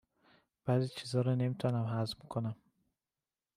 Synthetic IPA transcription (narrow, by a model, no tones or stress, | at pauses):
b̥azit͡ʃʰizɔɾɔnemt̪ʰanamɦazmkʰunam